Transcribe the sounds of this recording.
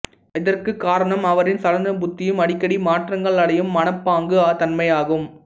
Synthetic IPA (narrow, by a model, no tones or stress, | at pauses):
ɪðɐrkɯkːaːɾɐɳɐmɐʋɐɾɪnsɐlɐnɐbʊt̪ːɪjɯmɐɽɪkːɐɽimaːʈrɐŋɡɐɭɐɽɐjɯmːɐnɐpːaːŋɡɯat̪ɐnmɐjaːɣɯm